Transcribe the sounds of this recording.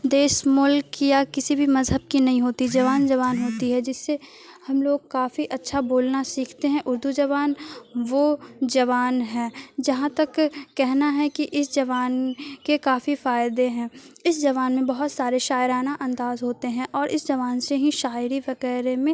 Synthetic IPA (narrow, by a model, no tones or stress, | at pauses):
d̪eːʃmʊlkjakɪsibʱimɐzɦəb̚kinɐɦĩɦoːt̪id͡ʒɐʋaːnd͡ʒɐʋaːnɦoːt̪iɦɛd͡ʒɪsːe | hɐmloːɡ̚kaːfiʔɐtːʃʰaboːlnasiːkʰt̪eɦɛ̃ʔʊɾd̪ud͡ʒɐʋaːnʋod͡ʒɐʋaːnɦɛːd͡ʒɐɦãt̪ɐkːɛɦnaɦɛkiʔɪsd͡ʒɐʋaːnkekaːfifaːɪd̪eɦɛ̃ːɪsd͡ʒɐʋaːnmẽbɐɦʊt̪saːɾeʃaːɪɾaːnaʔɐ̃nd̪aːzɦoːt̪eɦɛ̃ʔɔːɾʔɪsd͡ʒɐʋaːnseɦiʃaːɪɾiʋɐɣɛːɾemẽ